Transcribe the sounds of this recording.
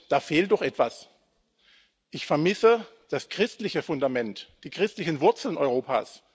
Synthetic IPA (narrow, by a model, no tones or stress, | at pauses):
d̥aːfeːlt̚d̥ɔχʔɛtv̥as | ʔɪçfɛɐmɪsə | d̥askʁ̥ɪstlɪçəfʊndamɛntd̥iːkʁ̥ɪstlɪçən̩vʊɐt͡sl̩nʔɔʏʁoːpa̰ːs